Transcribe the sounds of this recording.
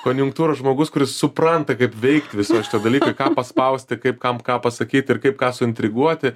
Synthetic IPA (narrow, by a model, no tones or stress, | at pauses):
koːnʲjʊŋkt̪uːɾoːsʒmoːɡʊskʊɾʲɪssʊprɐnt̪ɐkɐɪpʋʲɛɪkt̪ʲʋʲɪsoːʃʲɪt̪ɐd̪ɐlʲiːkoɪkɑːpɐspɐʊsʲt̪ʲɪkɐɪpkɐmkɑːpɐsɐkʲiːt̪ʲɪrkɐɪp̚kɑːsʊɪnʲt̪ʲɾʲɪɡuɔt̪ʲɪ